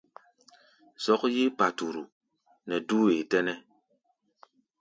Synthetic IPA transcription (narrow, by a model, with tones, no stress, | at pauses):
zɔ˨˦k̚ji˦pa˨tu˨ɾu˨ | nɛ˨du˦e˨tɛ˦nɛ˦